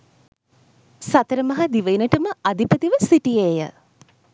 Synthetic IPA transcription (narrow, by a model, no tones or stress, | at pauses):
sat̪əɾəmɐɦɐd̪iʋəinəʈəməad̪ipət̪iʋəsiʈijeːjə̰